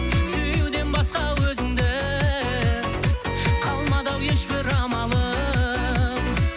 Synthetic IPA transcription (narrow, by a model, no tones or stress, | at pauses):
sɵjuwd̪e̞nbɑsqɑwɵzɪŋd̪ɪ | qʰɑlˠmɑd̪ɑwje̞ʃbɪɾɑmɑlˠə